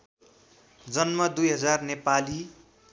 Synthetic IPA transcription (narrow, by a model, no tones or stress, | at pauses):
d͡zʌnmʌd̪ujɦʌd͡zarnepali